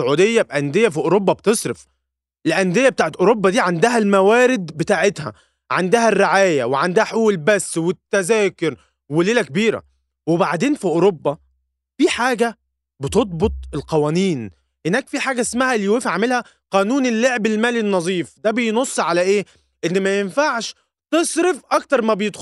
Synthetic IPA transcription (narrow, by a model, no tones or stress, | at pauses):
oʕuːd̪ejːæb̚ʔænd̪ejːæfiʔoɾobːɑbt̪esˤɾef | lʔænd̪ejːæbet̪aːʕet̪ʔoɾobːɑd̪iːʕand̪æɦælmæwæːɾɪd̪bet̪aːʕet̪hæ̰ | ʕand̪æɦærːeʕaːjæweʕand̪æhæħʔuːlbæsːwet̪ːæzæːkoɾ | weleːlækebiːɾæ̰ | webaʕd̪eːnfiʔoɾobːɑ | fiːħaːɡæ | bet̪od̪̚ˤbot̪ˤelqɑwæːniːn | ʔenːæːkfiːħaːɡæesmæhæʔlːijweːfʕamelhæ | qɑːnuːnelːeʕbelmæːlinːɑzˤiːfd̪æbejnosˤːʕalæʔeː | ʔenːmæjenfaʕʃ | t̪esˤɾefʔɑkt̪ɑɾˤmæbejed̪x